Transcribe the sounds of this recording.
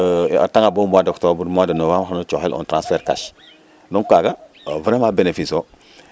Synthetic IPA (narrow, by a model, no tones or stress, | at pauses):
a̰taŋabumuadaktobuɾmwadanovamxanot͡ʃoxelʔṵntɾãsfɛɾka̰ʃ | doŋkaɡa | vənamabenefiso